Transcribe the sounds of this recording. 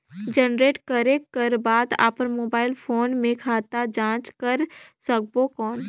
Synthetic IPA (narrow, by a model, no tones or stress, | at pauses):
d͡ʒənɾeːʈkəɾekəɾbaːd̪a̰ːpəɾmoːbaːɪlpʰoːnmẽkʰaːt̪ad͡ʒãːt͡ʃkəɾsɐk̚bokɔːn